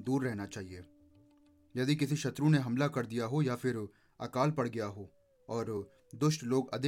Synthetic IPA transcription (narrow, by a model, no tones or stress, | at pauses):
d̪uːɾːɛɦnat͡ʃaːɦieː | jɐd̪ikɪsiʃɐt̪ɾũneɦɐmlakɐɾd̪ijaɦojafɪɾ | ɐ̰kaːlpɐɽɡɐjaɦoː | ɔːɾ | d̪ʊʃʈloːɡɐ̰d̪ɪ